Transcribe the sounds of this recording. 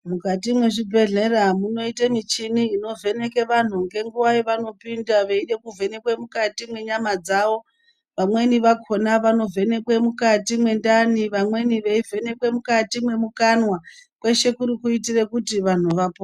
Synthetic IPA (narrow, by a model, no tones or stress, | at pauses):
mukat̬imwe̞ʐibʱe̞ɮe̞ramuno̞itemit͡ʃiniːno̞vʱe̞ne̞ke̞ʋan̤uŋɡe̞ŋɡuʋaiʋano̞pindaʋe̞iɗe̞kuvʱe̞ne̞kwemukatimwe̞ɲamad͡zaʋo̞ | ʋamwe̞niʋakʰonaʋano̞vʱe̞ne̞kwemukatimwe̞ndaniʋamwe̞niʋe̞ivʱe̞ne̞kwe̞mukatimwe̞mukanwakwe̞ʃe̞kuɾikuitire̞kutiʋan̤uʋapo